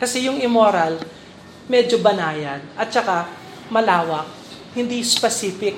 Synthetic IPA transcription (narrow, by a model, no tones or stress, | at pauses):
kɐsɛjʊŋɪmoːɾal | mɛːd͡ʒobɐnaːjɐd̪̚ʔɐt̪̚t͡ʃɐka | mɐlaːwɐk̚ | hɪnd̪ispɛsiːfɪk̚